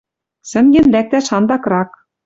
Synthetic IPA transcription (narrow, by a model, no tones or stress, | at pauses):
sɘ̆ŋɡʲĕnlæk̚t̪æʃɑnd̪ɑkrɑk